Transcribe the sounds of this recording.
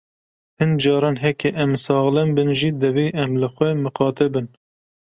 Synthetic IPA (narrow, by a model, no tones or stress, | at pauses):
hɨnd͡ʒɑːɾɑːnɦɛkɛʔɛmsɑːɣlɛmbɨnʒid̪ɨveːʔɛmlɨxʷwɛmɨqɑːt̪ɛbɨn